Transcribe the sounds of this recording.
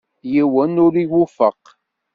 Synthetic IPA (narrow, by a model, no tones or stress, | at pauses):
jiwænʊɾiwufəq